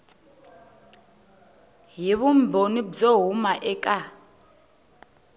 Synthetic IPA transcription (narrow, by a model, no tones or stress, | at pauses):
ɦiβumbʱonid͡zɔɦumaʔɛkʼa